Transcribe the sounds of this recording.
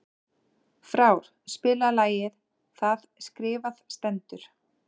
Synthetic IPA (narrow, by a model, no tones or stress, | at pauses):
fɾaːwɾ̥ | spɪːlalaːjɪð | θaðskɾɪːvað̥st̪ɛnt̪ʏɾ̥